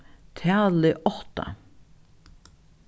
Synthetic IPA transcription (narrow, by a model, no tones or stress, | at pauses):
t̪ʰæːlɪʔɔht̪a̰